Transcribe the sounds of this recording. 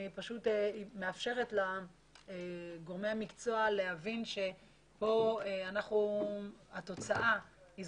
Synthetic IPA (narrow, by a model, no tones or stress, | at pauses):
ipaʃuteme̞afʃe̞ʁetla | ɡo̞ʁmejamikt͡so̞alehavinʃe̞ | po̞eanaχnuhato̞t͡saʔa | iz